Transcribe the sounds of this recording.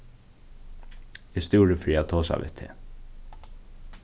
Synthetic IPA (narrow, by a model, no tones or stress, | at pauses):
ɪst̪ɪːɾəfɾiːat̪ʰoːsa̰ʋɪ̰t̪ʰːḛː